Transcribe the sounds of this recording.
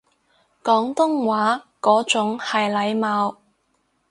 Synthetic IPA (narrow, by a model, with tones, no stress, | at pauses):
kɔː˨˥ŋt̪ʊ˥ŋwaː˨˥kɔː˨˥t͡sʊ˨˥ŋhɐ˨jlɐ˨˧jmaː˨˧w